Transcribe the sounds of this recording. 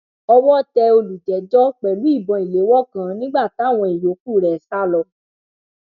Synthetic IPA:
ɔ˧wɔ˦tɛ˧o˧lu˨d͡ʒɛ˨˦d͡ʒɔ˦k͡pɛ˨lu˨˦i˦˨bɔ̃˧˨i˨le˨˦wɔ˦kã˧nĩ˦ɡ͡ba˦˨ta˨˦˨w̃ɔ̃˧i˨jo˨˦ku˦˨ɾɛ˨˦sa˦˨lɔ˧

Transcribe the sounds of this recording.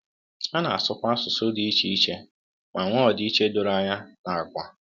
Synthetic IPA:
a˦na̰˨a̰˨sʊ˦kʷa˦sʊ˨so˦di˨˦i˦t͡ʃi˨i˦t͡ʃe˦ | ma˨ŋʷɔ˦˨dɪ˨˦i˦t͡ʃe˦dʊ˨ɾa˨ɲa˦na˨a˨kʷa˦

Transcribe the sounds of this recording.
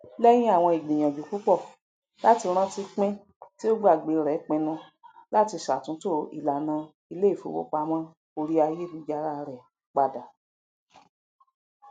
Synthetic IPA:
lɛ˦j̃ĩ˦a˦˨w̃ɔ̃˧i˨ɡ͡bĩ˨j̃ã˨d͡ʒu˨ku˨˦k͡pɔ˦˨ | la˦ti˧ɾ̃ã˦ti˧k͡pɛ̃˦ | ti˦o˦ɡ͡ba˦˨ɡ͡be˨˧ɾɛ˨˦k͡pɛ̃˧nũ˧ | la˦ti˧ʃa˨tũ˨˦to˦˨ḭ˨la˨nã˧ | i˧le˦i˦˨fo̰˨˦wo̰˦k͡pa˧˦mã˦ | o˧ɾi˦a˧je˦bi˧d͡ʒa˧ɾa˦˧ɾɛ˨ | k͡pa˧da˨

